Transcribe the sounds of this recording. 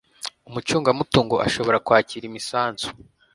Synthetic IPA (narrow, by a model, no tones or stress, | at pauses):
umut͡ʃuːŋɡamutuːŋɡoʔa̰ʃo̞βo̞ɾakwaːciːɾimisaːnzu̥